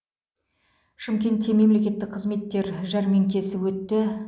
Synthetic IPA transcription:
ʃɪmkʲe̞nt̪ːeme̞mle̞kʲe̞t̪ːɪk̚qʰəzme̞t̪ːe̞ɾʒɑɾme̞ŋkʲʰe̞sɪwɵt̪ːɪ

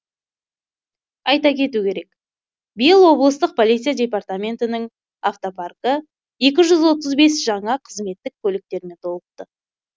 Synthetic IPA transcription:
ɑjt̪ɑkʲe̞t̪ukʲe̞ɾe̞k | bijəlˠwo̞blˠəst̪əq̚pʰo̞lˠijt̪sɨijadʲe̞part̪amʲe̞nt̪ɪnɪŋ | aft̪oparkə | e̞kʲɪʒʏzwo̞t̪̬əzbe̞sʒ̥ɑɴɑqʰəzme̞t̪ːɪk̚kʲʰɵlɪk̚t̪e̞ɾɪne̞t̪ʰo̞lˠəq̚t̪ə

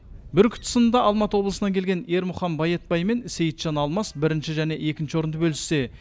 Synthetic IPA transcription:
bɪɾkʲʰʊ̥t̪ʰːɪ̥sənənd̪ɑʔɑlˠmɑt̪əwolˠəsənɑŋkʲʰelɡʲe̞ne̞ɾmʊχɑmbɑjet̪̚bɑjme̞nse̞jət̪ʒ̥ɑnɑlˠmɑsbɪɾɪnʃɪʒæne̞ʔe̞kʲɪnʃɪwo̞ɾənd̪əbɵlɪsːe̞

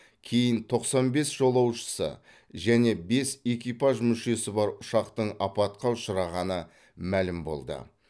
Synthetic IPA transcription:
kʲʰe̞jɪnt̪ʰo̞qsɑnbe̞sʒ̥o̞lˠɑwʃə̥sə̰ | ʒæne̞be̞se̞kʲijpɑʒmʏʃe̞sɪbɑɾʊʃɑqt̪əɴɑpɑt̪̚qɑʊʃəɾɑʁɑnə | mælɪmbo̞̰lˠd̪ə̰

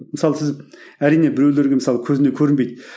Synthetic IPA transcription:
mɪsɑlˠəsɪzæɾijne̞bɪɾewle̞ɾɡʲemɪsɑlˠəkʲʰɵzɪne̞kʲʰɵɾɪnbe̞jd̪

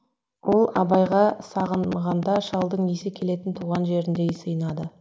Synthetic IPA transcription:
wʔo̞lˠɑ̰bɑjʁɑsɑʁənʁɑnd̪ɑʃɑlˠd̪əɴnesɪkʲʰe̞le̞t̪ɪnt̪ʰuʁɑnʒe̞ɾɪnd̪e̞jsəjənɑd̪ə

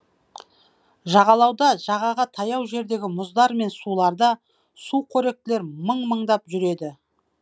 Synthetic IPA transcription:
ʒɑʁɑlˠɑwd̪ɑʒɑʁɑʁət̪ʰɑjɑwʒe̞ɾd̪e̞ɡʲɪmʊzd̪ɑɾme̞nsulˠɑɾd̪ɑ | sukʰɵɾe̞k̚t̪ɪle̞ɾməɴməɴd̪ɑpʒʏɾe̞d̪ɪ

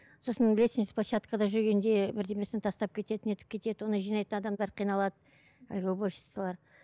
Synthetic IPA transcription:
so̞sənblʲesɪnɪsplˠaʃat̪kəd̪ɑʒʏɾɡʲe̞nd̪e̞bɪɾd̪e̞me̞sɪnt̪ʰɑst̪ɑp̚kʲʰe̞t̪e̞t̪ɪne̞t̪ɪ̥p̚kʲe̞t̪e̞d̪ɪwo̞nəʒijnɑjt̪ənɑd̪ɑmd̪ɑɾqʰijnɑlˠɑd̪ə | æ̰lɡʲewboʃə̥səlˠɑɾ

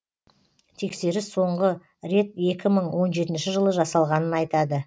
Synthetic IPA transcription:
t̪ʰe̞kse̞ɾɪso̞ɴʁə | ɾe̞t̪̚e̞kʲɪməɴwo̞nʒe̞t̪ɪnʃɪʒəlˠəʒɑsɑlˠʁɑnənɑjt̪ɑd̪ə

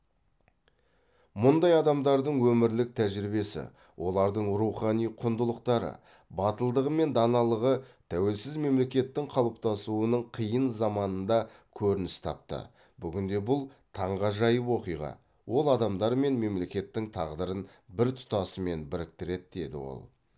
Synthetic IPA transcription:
mʊnd̪ɑjɑd̪ɑmd̪ɑɾd̪əɴwɵmɪɾlɪk̚t̪ʰæʒɾɪbe̞sɪ̰ | wʔo̞lˠɑɾd̪əɴɾuχɑnijqʰʊnd̪əlˠəqt̪ɑɾə̰ | bɑt̪əlˠd̪əʁəme̞nd̪ɑnɑlˠəʁət̪ʰæwe̞lsɪzme̞mle̞kʲe̞t̪ːɪŋqʰɑlˠəp̚t̪ɑsuənəɴqʰijənzɑmɑnənd̪ɑkʲʰɵɾɪnɪst̪ʰɑ̰p̚t̪ə̰ | bʏɡʲɪnd̪e̞bʊlˠt̪ʰɑɴʁɑʒɑjəwo̞qijʁɑ̰ | wʔo̞lˠɑd̪ɑmd̪ɑɾme̞nme̞mle̞kʲe̞t̪ːɪŋt̪ʰɑʁd̪əɾən | bɪɾt̪ʰʊ̥t̪ɑsəme̞nbɪɾɪk̚t̪ɪɾe̞t̪̚d̪e̞d̪ɪ̰wo̞̰lˠ

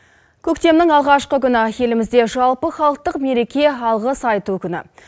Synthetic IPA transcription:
kʲʰɵkt̪e̞mnɪŋɑlˠʁɑʃqəkʲʏnɪje̞lɪmɪzd̪e̞ʒɑlˠpəχɑlˠəq̚t̪əqme̞ɾe̞kʲe̞ɑlˠʁəsɑjt̪ukʲʰʏnɪ̰

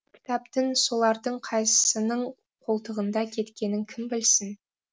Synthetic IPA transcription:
kʲʰɪ̥t̪ɑpt̪ənso̞lˠɑɾd̪əɴqʰɑjsəsənəɴ | qʰo̞lˠt̪əʁənd̪ɑkʲʰe̞t̪kʲe̞nɪŋkʲʰɪmbɪlsɪn

